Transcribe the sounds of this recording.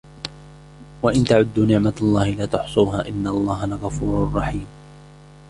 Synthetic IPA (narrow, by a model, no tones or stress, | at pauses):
waʔɪnt̪aʕʊd̪ːuːnɪʕmalˤːɑːhɪlaːt̪ʊħsˤuːɦaːʔɪnːalˤːɑːɦalaɣɑfuːɾrˤːɑħiːm